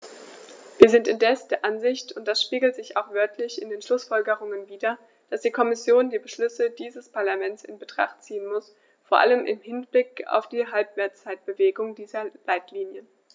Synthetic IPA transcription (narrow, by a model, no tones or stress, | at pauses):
viːɐzɪntɪndɛsd̥eːɐʔanzɪçtʊnt̚d̥asʃpiːɡl̩tz̥ɪça̰ʊxv̥œɐtʰlɪçɪ̰ndeːnʃlʊsfɔlɡəʁ̞ʊŋənviːdɐ | d̥asd̥iːkʰɔmɪsjoːndiːbəʃlʏsədiːzəspʰaɐlamɛntsɪ̰nbətʁ̥a̰χtt͡siːənmʊs | foːɐʔa̰ləmʔɪ̰mɦɪnb̥lɪka̰ʊfd̥iːɦalpv̥ɛːɐt͡st͡saɪt̚b̥əveːɡʊŋdiːzɐlaɪtliːnjə